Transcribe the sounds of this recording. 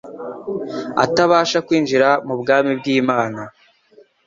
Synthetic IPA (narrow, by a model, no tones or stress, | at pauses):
a̰taβaːʃakwiːnʒiɾamubɡaːmibɡiːmaːna